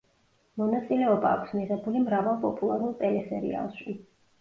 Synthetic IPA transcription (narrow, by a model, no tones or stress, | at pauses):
mɔnat̪sʼilɛɔba̰ːkʷʰsmiʁɛbulimɾavalˠpʼɔpʼulˠaɾulˠt̪ʼɛlɛsɛɾḭa̰lˠʃi